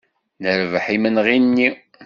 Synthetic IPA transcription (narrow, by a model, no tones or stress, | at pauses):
nəɾvəħimənʁinːi